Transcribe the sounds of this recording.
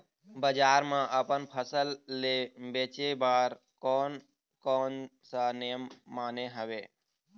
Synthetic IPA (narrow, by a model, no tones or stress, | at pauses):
bəd͡ʒaːɾmãʔəpənpʰəsəlːebeːt͡ʃebaːɾ | kɔːn | kɔːnsənejəmːaːneɦəʋeː